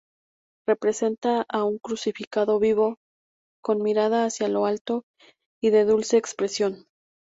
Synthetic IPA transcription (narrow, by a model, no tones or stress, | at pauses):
re̞pɾe̞se̞nt̪aauŋkɾusifikaðo̞βiβo̞ | ko̞nmiɾaðaːsjalo̞alt̪o̞ | iðe̞ðulse̞ːkspɾesjo̞n